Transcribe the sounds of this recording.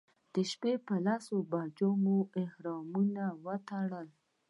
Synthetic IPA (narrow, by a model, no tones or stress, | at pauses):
d̪̥əʃpepəlɑsobɑd͡ʒomoɪhɾɑmunawət̪aɽəl